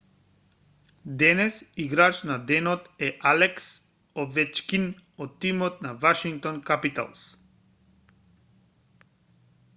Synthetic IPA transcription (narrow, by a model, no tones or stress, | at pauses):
d̪ɛnɛsiɡɾat͡ʃnad̪ɛnɔt̪ɛʔalɛks | ɔvɛt͡ʃkinɔt̪ːimɔt̪navaʃiŋk̚t̪ɔnkapit̪a̰lˠs